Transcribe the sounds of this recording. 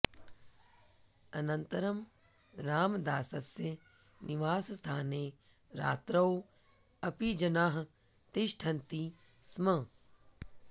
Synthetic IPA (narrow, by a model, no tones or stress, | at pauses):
ɐnɐ̃nt̪ɐɾɐm | ɾaːmd̪aːsɐsjɐ | niʋaːsst̪ʰaːneː | ɾa̰ːt̪ɾɐw | ɐpid͡ʒɐnaːɦ | t̪ɪʃʈʰɐ̃nt̪i | smɐ